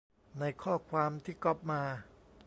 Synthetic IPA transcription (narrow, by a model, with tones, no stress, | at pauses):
na˧jkʰɔː˥˩kʰwaː˧mt̪ʰiː˥˩kɔ˦˩p̚maː˧